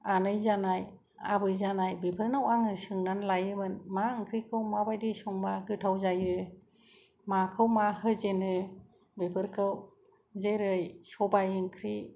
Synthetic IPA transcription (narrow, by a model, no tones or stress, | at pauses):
anɯjzanaj | a̰bɯjzanajbepʰɯɾnawaŋɯsɯŋnanlajɯmɯnmaɯŋkʰɾikʰɯwmabajdisɔŋbaɡɯtʰawzajɯ | makʰɯwmaɦɯzenɯ | bepʰɯɾkʰɯw | zeɾɯjsɔbajɯŋkʰɾi